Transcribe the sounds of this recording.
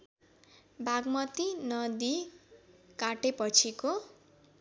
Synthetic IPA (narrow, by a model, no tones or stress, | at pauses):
bʱaɡmʌt̪inʌd̪i | kaʈepʌt͡sʰiko